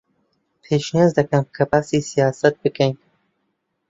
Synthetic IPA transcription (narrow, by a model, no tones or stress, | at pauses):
pʰeːʃnezd̪ɐkɐmkʰɐbaːsisijɑːsɐt̪̚bɨkʰɛjn